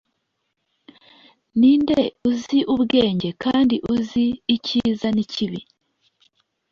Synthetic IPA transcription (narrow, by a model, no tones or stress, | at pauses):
niːndeuziʔuβɡe̞ːɲɟe̞kaːndiʔuziːcizaniciβḭ